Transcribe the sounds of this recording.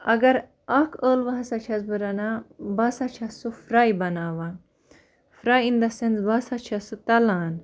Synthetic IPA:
ɐ̰ɡɐɾ | ɐkʰəːlʋɐɦɐsat͡ʃʰɐsbɨɾɐnaːbɐsat͡ʃʰɐsufɾaːibɐnaːʋa | fɾaːind̪ɐsenzbɐsat͡ʃʰɐsɨt̪ɐlaːn

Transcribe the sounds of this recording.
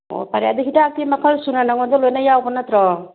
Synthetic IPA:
o̰paɾia̰d̪eɦiʈaːk̚imakʰalsunanaŋɔd̪ɔlojnajaɔpɔnat̪ɾɔ

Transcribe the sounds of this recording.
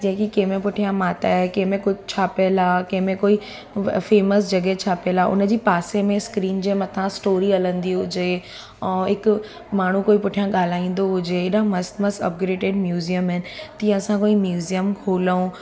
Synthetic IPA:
d͡ʑẽɦkikẽːmẽpʊʈʰijãmaːt̪aɛkẽɦmẽkʊd͡ʑʱt͡ɕʰaːpelaːkẽɦmẽkoːi | feːməsd͡ʑɐɡet͡ɕʰaːpelaʔʊ̰nəd͡ʑiːpaːsemẽskɾiːnd͡ʑemɐt̪ʰãsʈoːɾiɐlə̃nd̪iɦʊd͡ʑe | ɪk | maːɳ̤ũkoːipʊʈʰijãɠaːl̤aːĩːn̆d̪oɦʊd͡ʑeɪɗãmɐsmɐsɐ̰p̚ɡɾeːɖeːɖmjuːziəmɦɛnɪ̆t̪ĩːɐsãkoːimjuːzijəmkʰoːləũ

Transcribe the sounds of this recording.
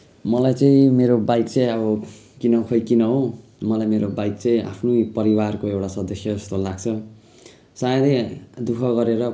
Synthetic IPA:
mʌlajt͡saĩmeɾobajt̪t͡sʌjʌbʌkinʌkʰʌjkinʌɦomʌlajmeɾobajt̪̚t͡sʌ̃ĩʔa̰pʰnopʌɾiwarkoewʈasʌd̪ʌsjʌd͡zʌst̪olaɡt͡sʰʌ | sajʌd̪ʌjd̪ukʰʌɡʌɾeɾʌ

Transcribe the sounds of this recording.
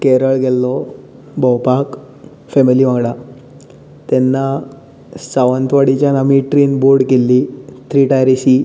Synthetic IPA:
kɛɾəɭɡʱɛlːɔ | bʱəwpak | fɛmiliʋãŋɡɽa | t̪ɛnːa | saʋənt̪ʋaɽit͡ɕjanamiʈɾiːnboɾɽkelːit̪ʰɾiʈajɾisi

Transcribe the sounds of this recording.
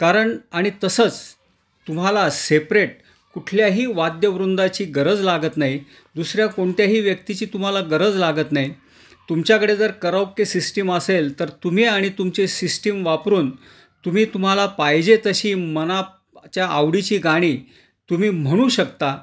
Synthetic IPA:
kaɾəɳaɽ̃it̪əsət͡s | t̪um̤alasepɾeʈ̚ | kuʈʰljaɦiːʋad̪jəʋɾund̪at͡ɕiːɡəɾəd͡zlaɡət̪naɦi | d̪usɾjakoɳʈ̪jaɦiːʋjəkt̪it͡ɕiːt̪um̤alaɡəɾəd͡zlaɡət̪naɦi | t̪umt͡ɕjakəɽed͡zəɾkəɾəwkkːesisʈiməselt̪əɾt̪um̤iaɽ̃it̪umt͡ɕesisʈimʋapɾuːn | t̪um̤iːt̪um̤alapajd͡ʑet̪əɕiːməna | t͡ɕjaʔaʋɽit͡ɕiːɡaɽ̃iː | t̪um̤iːm̤əɽ̃ũɕəkt̪a

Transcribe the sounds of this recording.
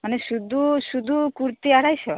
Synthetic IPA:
manesud̪ʱusud̪ʱukuɾt̪iaɽajsʰɔ

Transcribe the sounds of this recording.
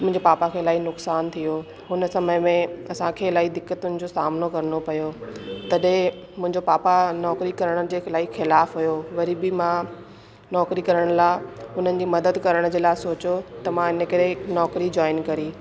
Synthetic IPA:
mʊ̃ɪ̃ɲd͡ʑepaːpakʰeːlaːinʊksaːnt̪ʰijo | ɦʊnəsɐməmẽɐsãkʰeːlaːid̪ɪkːət̪ʊnɪ̆d͡ʑosaːmnokɐɾənopɐjot̪ɐɗɦẽ | mʊ̃ɦɪ̃ɲd͡ʑopaːpanɔːkɾikɐɾəɽ̃əd͡ʑeːlaːixɪlaːfɦujoʋɐɾibɪmã | nɔːkɾikɐɾəɽ̃laːɪʊn̤ənɪ̆d͡ʑiːmɐd̪əd̪kɐɾəɽ̃d͡ʑeːlaːɪsoːt͡ɕjot̪ɐmãɪnəkɐɾenɔːkɾid͡ʑɔːɪnkɐɾiː

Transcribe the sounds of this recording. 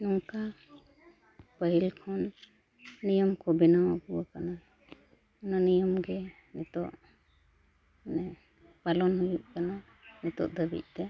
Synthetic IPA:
nuŋka | pəɦilkʰɔnː | ijɔmkɔbɛnawabuwakana | nanijɔmɡɛ | nɛt̪ɔʔ | nɛ | palɔnhuluʔ̚kana | nɛt̪ɔ̰ʔd̪əbḭʔ̚ˀt̪ɛ

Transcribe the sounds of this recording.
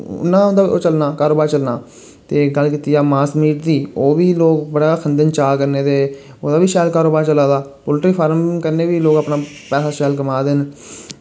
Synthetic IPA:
ʊ̰nːãːõnd̪aːioːt͡ʃəlnaːkaːɾoːbaːɾt͡ʃəlnaː | t̪eːɡəlkiːt̪ijaːmaːsmiːʈd̪iːoːʋiːloːkbəɽaːkʰənd̪ənt͡ʃaːkəɾneːd̪eː | oːd̪aːʋiːʃaːlkaːɾoːbaːɾt͡ʃəlaːd̪aːpʊlʈɾiːpʰaːɾmkəɾneːʋiːloːkapnaː | pɛːsaːʃɛːlkəmaːd̪ɪn

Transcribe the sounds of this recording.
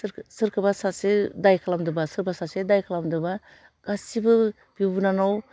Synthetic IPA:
ɾsɯɾkʰɯbasasedajkʰalamdɯbasɯɾbasasedajkʰalamdɯba | ɡ̥asibɯ | b̥ibunanɔw

